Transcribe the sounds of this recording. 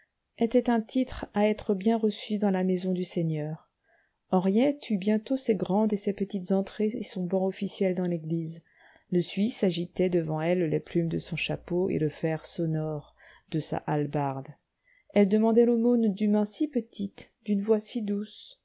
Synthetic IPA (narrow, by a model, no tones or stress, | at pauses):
et̪ɛt̪ɛ̃t̪it̪χaɛt̪χəbjɛ̃ʁəsyd̪ɑ̃lamezɔ̃d̪yseɲœːʁ | ɑ̃ʁjɛt̪ybjɛ̃t̪osɛɡʁɑ̃d̪esɛpət̪it̪zɑ̃t̪χeesɔ̃bɑ̃ɔfisjɛld̪ɑ̃leɡliz | ləsɥisaʒit̪ɛd̪əvɑ̃ɛlleplymd̪əsɔ̃ʃapoḛləfɛʁsɔnɔʁ | d̪əsa̰ʔalbaʁd̪ | ɛld̪əmɑ̃d̪ɛlomond̪ymɛ̃sipət̪ʰit̪d̪̥ynvwasid̪us